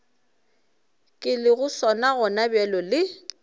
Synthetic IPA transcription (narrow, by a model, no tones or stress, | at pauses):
kʼɪlɪɣʊsɔnaɣɔnabɛlɔlɪ